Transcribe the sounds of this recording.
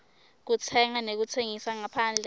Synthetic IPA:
k̬ut͡sʰɛŋanek̬ut͡sʰeŋisaŋapʰaːnd͡ɮʱɛ

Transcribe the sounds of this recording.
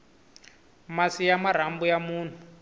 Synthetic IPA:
masijamaɾ̤ambujamuːn̤u

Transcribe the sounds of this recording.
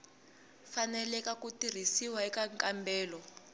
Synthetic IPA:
fanɛlɛkakutir̤isiwaɛkaŋkʼambʱɛːlɔ

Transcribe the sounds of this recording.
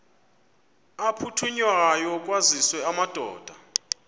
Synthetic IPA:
apʰutʰuɲwaajɔk̬ʼwaziswɛamad̥ʱɔ̰ːd̥ʱa

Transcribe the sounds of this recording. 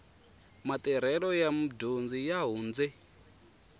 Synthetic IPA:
mat̪ɛɾ̤ɛɺɔjam̩dond͡zijaɦuːnd͡zɛ

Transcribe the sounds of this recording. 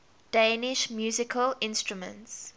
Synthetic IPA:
d̥ẽːnɪʃmjuːzɪkʰəlɪ̃nstɹumə̰̃nts

